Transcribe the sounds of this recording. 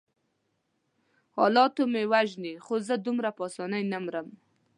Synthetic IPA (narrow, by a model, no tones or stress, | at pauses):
hɑ̰lɑt̪omewaʒnixozəd̪umɾapɑsɑnəjnamɾəm